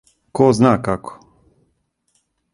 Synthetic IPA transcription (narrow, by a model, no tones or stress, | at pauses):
kɔznakakɔ̥